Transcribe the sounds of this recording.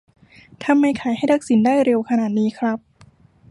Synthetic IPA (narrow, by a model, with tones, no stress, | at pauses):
t̪ʰa˧mːa˧jkʰaː˩˦jɦa˥˩jt̪a˦˥k̚si˩˦ndaː˥˩jɾe˧wkʰa˧naː˨˩t̪̚niː˦˥kʰɾa˦˥p̚